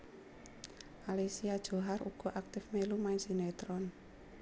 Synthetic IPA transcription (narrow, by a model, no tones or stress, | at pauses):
ʔalisiad̥ʒ̥ɔ̤ɦaruɡ̥ɔ̤ʔak̚t̪ɪfmelumaɪnsinɛt̪ɾɔn